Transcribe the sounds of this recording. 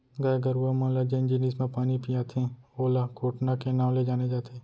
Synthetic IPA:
ɡaːɡəɾuamãːlad͡ʒeɪ̃nd͡ʒiniːsmẽpaːnipijaːt̪ʰẽoːlakʰoːʈnakenaːwled͡ʒaːned͡ʒaːt̪ʰeː

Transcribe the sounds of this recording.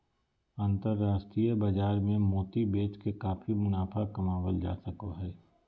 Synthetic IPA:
ãːnt̪əɾːaːʃʈɾiːjəbəd͡ʒaːɾmẽmoːt̪ibeːt͡ʃkekaːpʰimʊnaːfʰakɐmaːwəld͡ʒa̰ːsɐkoɦɛː

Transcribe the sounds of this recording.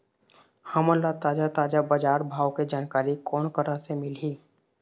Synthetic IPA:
həməlːat̪aːd͡ʒat̪aːd͡ʒabəd͡ʒaːɾbʱaːwked͡ʒaːnkaːɾikɔːnkəɾasemɪliː

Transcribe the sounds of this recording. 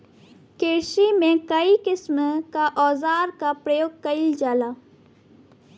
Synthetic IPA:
keːʃimẽkɐikɪsmkaʔɔːzaːɾkapɾɐjoːɡ̚kɐild͡ʒaːlaː

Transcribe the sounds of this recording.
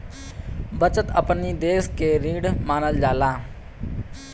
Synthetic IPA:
bət͡ʃət̪əpniːd̪eːskeːɾiːɽmaːnəld͡ʒaːlaː

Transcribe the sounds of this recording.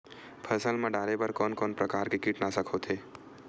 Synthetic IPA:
pʰəsəlmẽɖaːɾebɐɾkɔːnkɔːnpɾəkaːɾkekiʈnasəkʰoːt̪ʰeː

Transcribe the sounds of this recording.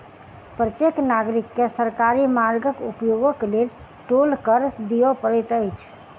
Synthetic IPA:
pɾət̪jeknaɡɾikːesəɾkaɾimaɾɡəkupjoɡokelel | ʈolkəɾd̪ijɔpəɾɛt̪əjt͡ʃʰ

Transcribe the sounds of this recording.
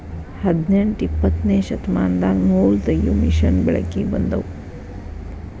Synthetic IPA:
hɐd̪neɳʈipːɐt̪neːʃɐt̪maːnd̪aːɡnoːlt̪ɐjumiʃɐnbɛɭɐ̰kibɐnd̪ɐ̰w

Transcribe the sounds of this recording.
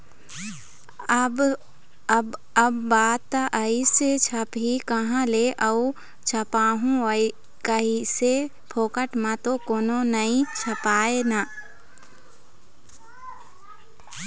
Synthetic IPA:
b | əbːaːt̪ʔəiset͡ʃʰɐpikəɦãleʔɐu | t͡ʃʰɐpaːɦũəi | kəise | pʰoːkəʈmãt̪okoːnonəĩt͡ʃʰɐpaːena

